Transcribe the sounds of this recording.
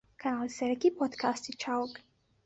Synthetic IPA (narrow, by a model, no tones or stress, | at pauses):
kʰanalisɛɾɛkipʰɔd̪kʰast̪it͡ʃʰaɔk